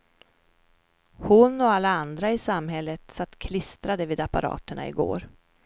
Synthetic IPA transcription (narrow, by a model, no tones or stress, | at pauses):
hʊnɔalːaand̪ɾaɪsamɦɛlːət̪sat̪ːkʰlɪst̪ɾad̪əviːd̪apa̰ɾɑ̰ːt̪əɳa̰ɪ̰ɡo̰ːɾ